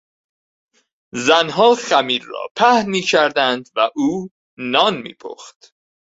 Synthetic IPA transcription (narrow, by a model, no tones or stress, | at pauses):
zænɦɒːxæmiːɾːɒ̰ːpʰæhmiːcʰæɾd̪ænd̪væʔuː | nɒːnmḭːpʰo̰ːxt̪